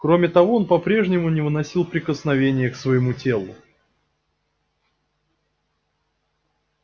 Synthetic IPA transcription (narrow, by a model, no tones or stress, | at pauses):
kɾo̞mʲɪt̪ɐvo̞onpɐpɾʲe̞ʐnʲɪmʊnʲɪvɨnɐsʲilˠpɾʲɪkəsnɐvʲenʲɪjəksvəjɪmutʲe̞lˠʊ̰